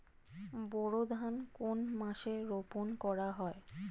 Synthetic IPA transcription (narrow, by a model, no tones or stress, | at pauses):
bɔɽod̪ʱankonmãʃeɾoponkɔɾaɦɔe